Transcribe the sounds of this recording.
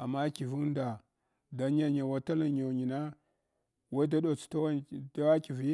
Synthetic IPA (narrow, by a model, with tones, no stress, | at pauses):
a̰˨mːa˦ki˨vu˦n˦da˨ | da˨ɲa˦ɲa˨wa˨ta˦la˦˨ɲo˨ɲi˨na˦ | wa˦i˦da˦do˨t͡su̥˨ta˦a˦ta˦wa˦ki˨vi˦